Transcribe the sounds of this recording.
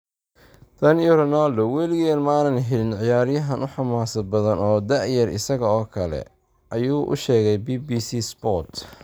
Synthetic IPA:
d̪̥ɐnjɔɾɔnaːld̪ɔwɛlɪɣlmaːnɐnɦɛlɪnʕɪjaːɾɪjɐɦɐnʔʊħɑmaːsɐd̪̚bɐðɐnɔːd̪ɐʕjɐrɪ̰sɐɣɐɔːkʰɐlɛ̰ | ʔɐjuːʔʊ̰ʃɛːɣɛjbiːbiːsisbɔt̪

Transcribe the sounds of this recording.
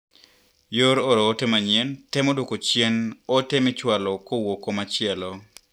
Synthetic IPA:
joɾoɾoːtemaɲjentɛmodokot͡ʃjenotemɪt͡ʃwalɔkowokomat͡ʃɪɛlɔ

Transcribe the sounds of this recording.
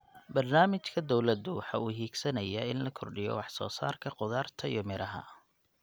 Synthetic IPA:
bɐrnaːmɪt͡ʃkʰɐd̪ɔwlɐd̪ʊwɑħɑːuːɦiːɡsɐnɐjaɪnlɐkʰɔrɖɪjɔ̰wɑħsɔ̰ːsa̰ːrkʰɐqʊðaːrt̪ʰɐijɔmɪɾʔɐɦɐ̰

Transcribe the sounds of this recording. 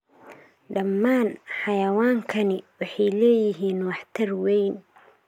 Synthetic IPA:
ɖɐmːaːnħɑjɐwaːŋkʰɐnɪwɑħɑjlɛːjɪɦiːnwɑħt̪ʰɐrwɛjn

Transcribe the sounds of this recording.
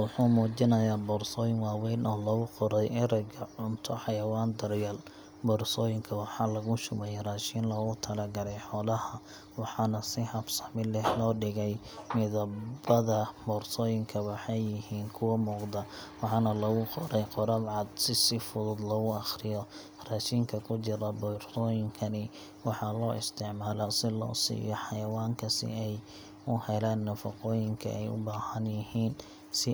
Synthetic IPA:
wʊħuːmuːt͡ʃɪnɐjaːbɔːrsɔːjɪŋwɑːwɛjnɔːlɐɣʊqɔɾɛjɪɾɛɡɐʕʊnt̪ʰɔħɑjɐwaːnd̪ɐrjɐl | bɔːrsɔːjɪŋkʰɐwɑħɑːlɐɣʊʃʊmɛjɛraːʃiːnlɔːɣʊt̪ʰɐlɐɡɐlɛjħɔːlɐhɐ | wɑħɑːnɐsɪhɐfsɐħmɪlɛhlɔːɖɪɣɛj | mɪðɐbɐðɐbɔːrsɔːjɪŋkʰɐwɑħɑjːɪɦiːnkʰʊwɐmuːqd̪ɐ | wɑħɑnɐlɐɣʊqɔɾɛjqɔɾɐbʕɑd̪sɪsɪfʊðʊd̪lɔɣʊɑχrɪjɔ | raːʃɪŋkʰɐkʰʊt͡ʃɪɾɐbɔrt̪ʰɔːjɪŋkʰɐnɪ | wɑħɑlɔːʔɪst̪ʰɪʕmaːlɔsɪlɔ̰ːsḭːjɔħɑjɐwaːŋkʰɐsɪ̰ɛj | ʊhɛlaːnːɐfɑ̰qɔːjɪŋkʰɐ̰ʔɛjʊ̰baːhɐnjɪhiːn | sɪ

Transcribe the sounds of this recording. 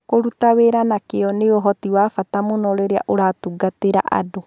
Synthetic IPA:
koɾutaweɾanakeɔneoɦɔtiwaːfatamonɔɾeɾea̰ʔoɾaːtuɡateɾa̰ʔa̰do

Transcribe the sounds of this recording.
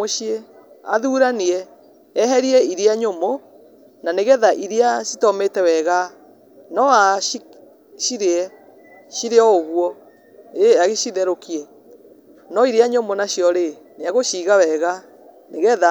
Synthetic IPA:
oʃie | a̰ðuːɾaniɛ | ɛɦɛɾiɛiɾeaɲomo | naneɣɛðaʔiɾeasitɔmetɛwɛɣa | nɔai | ɕiɾeɛ | ʃiɾeɔoɣwɔ | eaɣeɕiðɛɾokʰiɛ | nɔiɾeaɲomonaɕjɔɾe | neaɣoʃiɣawɛɣa | neɣɛða

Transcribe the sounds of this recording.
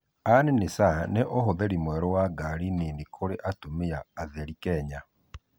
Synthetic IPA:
anenesaneʔoɦoðɛɾimwɛɾɔwaɡaɾininikʰoɾeʔatomeaːðɛɾikɛɲa

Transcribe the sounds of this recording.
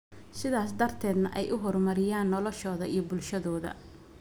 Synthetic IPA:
sɪðaːsd̪ɐrt̪ʰɛːd̪nɐ̰ʔɛjʔʊɦɔrmɐɾɪjaːnːɔlɔʃɔːðɐijɞbʊlʃɐðɔːðɐ̰

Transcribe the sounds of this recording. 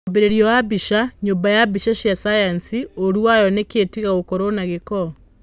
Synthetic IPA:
beɾeɾijɔwabiʃaɲoːmbajabiʃaʃjasajansioɾuajɔneketiɣaɣokoɾonaɣekɔ

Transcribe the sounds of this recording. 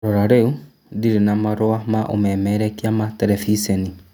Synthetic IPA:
ɾɔɾaɾeu | diɾenamaɾoamaʔo̰mɛmɛɾɛkiamatɛɾɛfisɛni

